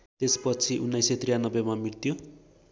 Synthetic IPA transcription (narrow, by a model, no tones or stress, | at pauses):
t̪espʌt͡sʰiʔunːʌjset̪rijanʌbːemamiɽt̪jo